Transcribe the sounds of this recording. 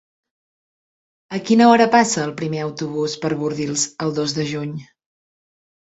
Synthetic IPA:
əkinəɔɾəpasəːlˠpɾimeəwt̪uβ̞uspəɾβuɾðilˠzəlˠd̪ozðəʒuɲ

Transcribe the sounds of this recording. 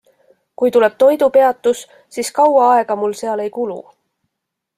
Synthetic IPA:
kujt̪ule̞b̥̚t̪o̞jd̪̥upe̞ɑt̪ːˑus | siːskɑwɑɑeɡ̥ɑmulse̞ɑle̞jkulṵ

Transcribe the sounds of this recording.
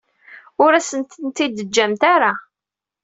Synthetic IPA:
ʊɾæsənt̪nt̪id̪əd͡ʒːæmt̪aɾa

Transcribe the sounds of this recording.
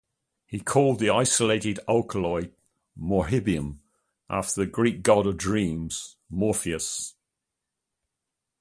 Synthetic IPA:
hikʰɔːlˠd̪̚ðiaɪsəleɪtɪdalˠkʰəlɔɪ | mɔɦɪbiə̃m | ʔa̰ˑftəðəɡɹiˑk̚ɡ̥ɒɾədɹĩːmz̥ | mɔˑfiəs

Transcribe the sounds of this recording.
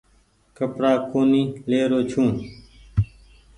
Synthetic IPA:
kəpɽaːkoːniːleːɾoːt͡ʃʰũː

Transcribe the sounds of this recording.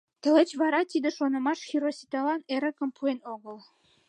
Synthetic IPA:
t̪ə̆let͡ɕβɑɾɑt̪id̪ə̆ʃonə̆mɑʃxiɾosʲit̪ɑlɑneɾə̆kə̆mpuenoɣəl

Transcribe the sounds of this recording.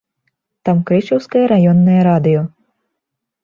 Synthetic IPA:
t̪amkɾit͡ʃuwskajaɾajɔnːajaɾad̪ijɔ

